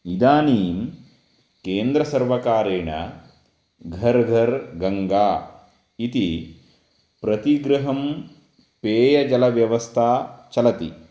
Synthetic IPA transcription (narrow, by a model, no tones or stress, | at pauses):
id̪aːniːm | keːnd̪ɾɐsɐɾʋɐkaːɾeːɳɐ̰ | ɡʱɐɾɡʱɐɾɡɐŋɡaː | it̪i | pɾɐt̪iɡɾɐɦɐm | peːjɐd͡ʒɐlɐʋjɐʋɐst̪ʰaːt͡ʃɐlɐt̪ḭ